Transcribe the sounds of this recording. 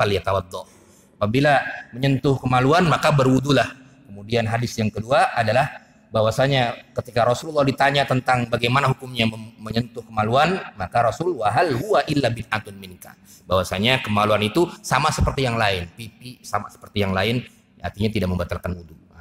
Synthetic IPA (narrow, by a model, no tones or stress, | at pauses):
aljat̪awɑd̪ːɔ | apabilaməɲənt̪ʊhkəmaluanmakabərwudulah | kəmudianɦadɪsjaŋkəduaʔadalah | bawasaɲakət̪ikaɾɔsullːɑhdit̪aɲat̪ənt̪aŋbaɡajmanaɦukumɲaməɲənt̪ʊhkəmaluanmakaɾɔsʊlwaɦalɦuwaʔɪlːabɪnʔat̪ʊnmɪnka̰ | bawasaɲakəmaluanit̪usamasəpərt̪ijaŋlaɪnpipisama̰sə̥pərt̪ijaŋlaɪn | a̰rt̪iɲat̪idaʔməmbat̪alkanwudua